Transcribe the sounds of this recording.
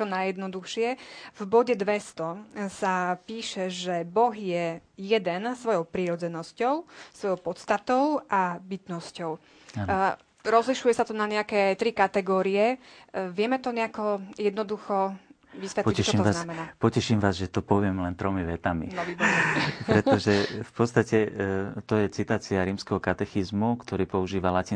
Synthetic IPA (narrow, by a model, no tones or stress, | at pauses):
t͡ʃɔnajɛd̪nɔd̪uxʃɪɛvbɔɟɛd̪ʋɛst̪ɔsapiːʃɛʒɛbɔɣjɛjɛd̪ɛnsʋɔjɔʊpɾiɾɔd͡zɛnɔscɔʊsʋɔjɔʊpɔt̪st̪at̪ɔʊabit̪nɔscɔʊ | ɾɔzliʃujɛsat̪ɔnaɲɛakɛːt̪ɾikat̪ɛɡɔːɾiɛʋɪɛmɛt̪ɔɲɛakɔjɛd̪nɔd̪uxɔ | ʋisʋɛt̪pɔɛʃt͡ʃɔiɔznamɛnaːpɔcɛʃiːmʋaːzʒɛt̪ɔpɔʋɪɛmlɛnt̪ɾɔmiʋɛt̪amḭnɔbibɔipɾɛt̪ɔʒɛfpɔt̪t͡st̪acɛt̪ɔjɛt͡sit̪aːt͡siaɾiːmskɛɦɔkat̪ɛxizmukt̪ɔɾiːpɔuʒiːʋalaciː